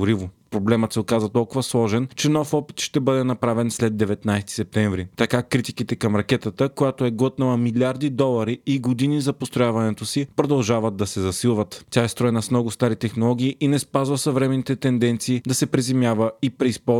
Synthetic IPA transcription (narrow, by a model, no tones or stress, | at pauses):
ɾivopɾoblɛmət̪sɛokazvɐt̪ɔlˠkʊvɐslˠɔʒɛnt͡ʃɛnɔfɔpi̥t̪ʃt̪ɛbɤd̪ɛnɐpɾavɛnslɛd̪ːɛvɛt̪najst̪i̥sɛp̚t̪ɛɱvɾit̪ɐkakɾit̪ikit̪ɛkɐmɾɐkɛt̪ət̪əkojat̪oɛɡɔt̪̚nəlˠɐmilʲaɾd̪id̪ɔlˠɐɾiiɡod̪inizɐpost̪ɾojavɐnɛt̪osipɾod̪ɐlˠʒavəd̪ɐsɛzɐsilˠvət̪tʲaɛst̪ɾɔɛnɐsmnɔɡʊst̪aɾit̪ɛxnolˠɔɡ̟ʲiːʔinɛspazvəsɐvɾɛmɛnit̪ɛt̪ɛnd̪ɛnt̪siːd̪ɐsɛpɾizɛmjavəipɾɛispɔ